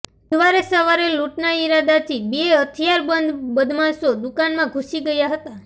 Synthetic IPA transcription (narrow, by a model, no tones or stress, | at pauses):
d̪ʋaɾesəʋaɾeluʈnaiɾad̪at̪ʰibeeɦət̪ʰijaɾbənd̪bəd̪ʱmãsod̪ukanmãɡʱusiɡəjaɦət̪a